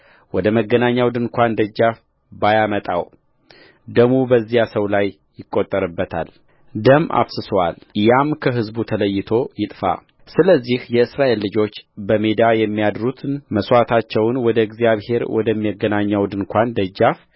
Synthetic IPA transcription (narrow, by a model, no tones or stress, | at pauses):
wɔd̪əməɡːənaɲːawd̪ɨnkʷand̪əd͡ʒːaf | bajamət̪ʼa̰w | d̪əmubəzːijasəwlajːɪkʼːot̪ʼːəɾɨbːət̪ʰa̰l | d̪əmʔa̰βsɨswa̰ljamkʰəɦɨzbut̪ʰələjːɪt̪ʰo̞jɪt̪ʼfa̰ | sɨləzːihjɛɨsɾaʔe̞lːɨd͡ʒo̞t͡ʃːbəmed̪ajɛmːijad̪ɾut̪ʰnməswat̪ʰat͡ʃːɛwnwɔd̪əɡzijaβhe̞ɾwɔ̰d̪əmːiəɡːənaɲːawd̪ɨnkʷʰand̪əd͡ʒːaf